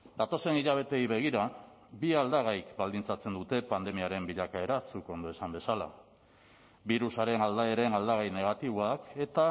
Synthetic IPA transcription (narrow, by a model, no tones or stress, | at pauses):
d̪at̪o̞se̞niʎaβ̞e̞t̪e̞jβe̞ɣ̞iɾa | biald̪aɣajkbald̪int͡sat͡se̞nd̪ut̪e̞pand̪e̞miaɾe̞mbiʎakae̞ɾasuko̞nd̪o̞e̞sambe̞sala̰ | biɾusaɾe̞nald̪ae̞ɾe̞nald̪aɣ̞ajne̞ɣ̞at̪iβ̞oake̞t̪a